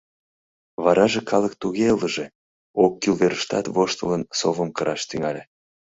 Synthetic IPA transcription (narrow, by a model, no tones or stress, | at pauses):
βɑɾɑʒekʰɑlək̚t̪uɣeləʒe | okːilveɾəʃt̪ɑ̰t̪voʃt̪ələnsovəmkəɾʔɑʃt̪yŋɑlʲe